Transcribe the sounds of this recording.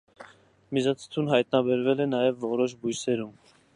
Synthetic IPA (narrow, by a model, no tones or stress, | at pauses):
mizɑt͡sʰə̥t̪ʰunɦɑjt̪nɑbɛɾvɛlɛnɑjɛvːɔɾɔʃbujsɛɾum